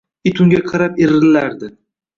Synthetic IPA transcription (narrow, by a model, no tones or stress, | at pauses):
ɪt̪ʰʊŋɡʲaqʰɨɾapeɾɪlaɾd̪ɪ